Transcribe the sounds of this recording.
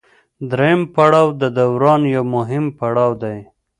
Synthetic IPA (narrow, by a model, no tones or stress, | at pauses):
d̪ɾejəmpaɽɑwd̪əd̪awɾɑnjawmʊɦɪmpaɽɑwd̪aj